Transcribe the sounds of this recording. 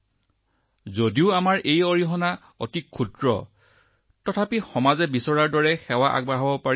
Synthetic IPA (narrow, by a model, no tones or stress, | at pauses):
zodiʊamaɹʔejoɹiɦɔna | o̰tikʰːudɹɔ̰ | tɔtʰapixɔmazɛbisɔɹaɹdɔɹɛxɛwaʔa̰ɡ̚bɹaɦɔbɔpa